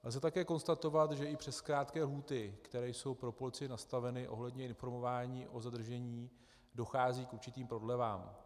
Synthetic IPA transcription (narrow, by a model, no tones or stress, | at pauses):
lzɛt̪akɛːko̞nst̪at̪o̞vat̪ʒɛʔɪpr̥ɛskɾaːt̪kɛːlɦuːt̪ɪkt̪ɛɾɛːjso̞wpɾo̞polɪt͡sɪɪnast̪avɛnɪʔo̞ɦlɛdɲɛɪnfo̞ɾmo̞vaːɲiːʔo̞zad̪r̩ʒɛɲiː | do̞xaːziːkuɾt͡ʃɪt̪iːmpɾo̞dlɛvaːm